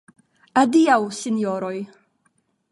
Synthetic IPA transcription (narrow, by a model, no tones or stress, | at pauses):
adiawsɪnjɔɾɔɨ